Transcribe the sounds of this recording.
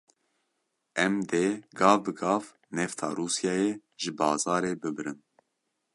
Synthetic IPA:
ʔɛmd̪eːɡɑːvbɨɡɑːv | nɛft̪ʰɑ̰ːɾuːsjɑːjeʒɨbɑːzɑːɾeːbɨbɨɾɨn

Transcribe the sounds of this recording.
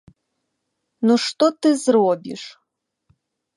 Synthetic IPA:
nuʂt̪ɔt̪ɨzrɔbʲḭʂ

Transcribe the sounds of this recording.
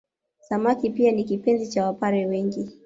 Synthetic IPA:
samakipianikipɛnzit͡ʃawapaɾɛwɛŋɡi

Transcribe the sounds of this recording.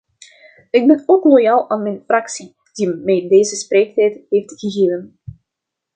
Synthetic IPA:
ɪɡ̚bɛnoːklojaːlˠaːnmɛjnfrɑksi | d̥imɛjdeːzəspreːk̚tɛjtɦeːftɣəɣeːvən

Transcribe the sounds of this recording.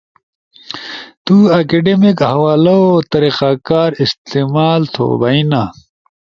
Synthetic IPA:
t̪uɐkeɖemikhɐwaːlɐot̪ɐɾiqakaːɾist̪eːmaːlt̪ʰo̰ːbɐina

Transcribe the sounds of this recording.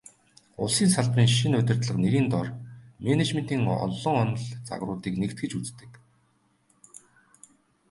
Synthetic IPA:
ʊ̰ɮsiːnsaɮpriːŋʃinʊt̪ʲɪ̆r̥t̪ɮə̆qneɣiːnt̪ɔrmenet͡ɕmen̥t̪iːŋɔ̰ɮːɞ̆ŋɔn̆ɮt͡sa̰ɣrʊːt̪iːknekt̪̚ɡɘ̆t͡ɕut͡st̪ɘ̥̆k

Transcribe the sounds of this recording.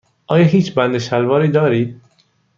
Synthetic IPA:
ʔɒːjɒːɦiːt͡ʃbænd̪eʃælvɒːɾiːd̪ɒːɾiːd̪̥̚

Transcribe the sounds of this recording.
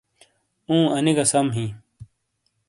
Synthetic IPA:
ũːɐniɡɐsɐmɦĩː

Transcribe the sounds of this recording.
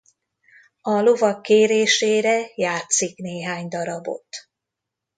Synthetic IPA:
ɒlovɒkːeːɾeːʃeːɾɛjaːt̪sikneːɦaːɲd̪ɒɾɒbo̞̰t̪

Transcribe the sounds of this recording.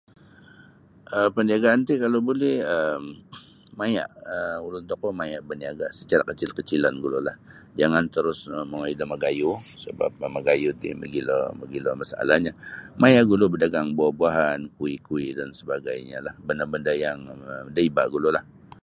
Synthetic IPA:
ʔəpəndiaɡaʔant̪ikalobolɛhəmː | aja̰ʔəulʊnt̪ɔkomajaʔbəndiaɡasət͡ʃaɾakət͡ʃɪlkət͡ʃilanɡulolahd͡ʒaŋant̪əɾʊsəməŋaidaməɡajusəba̰p̚əməɡajut̪ḭmə̰ɡilə̰məɡiləmasaa̰lahɲamajaʔɡulobədaɡaŋbuabuaɦankuikuiʔdansəbaɡajɲa̰lahbəndabəndajaŋədəibaʔɡulolah

